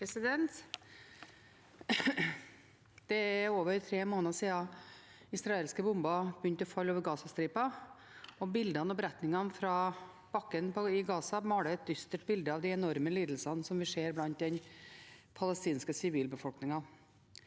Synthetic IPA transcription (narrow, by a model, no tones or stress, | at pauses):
sɪd̪ɛnt̪ | d̪̥ɛæɾoːʋəɾt̪ʰɾeːmoːnəsiːɑ | ɪsɾɑeːlskəbʊmbɑbjʏnt̪ɔfɑlːoːʋəɾɡɑːsɑst̪ɾiːpɑ | ɔbɪld̪ɑnɔbəɾɛt̪nɪŋɑnfɾɑ | b̥ɑkːənpʰɔɪɡɑːsɑmɑːɽəɛt̪̚d̪ʏst̪əʈbɪld̪əɑʋd̪ɛɛnɔɾməliːd̪l̩sɑnsɔmʋɪseːɾblɑnt̪̚d̪ɛn | pʰɑlɛst̪iːnskəsɪʋiːlbəfɔlknɪŋɑn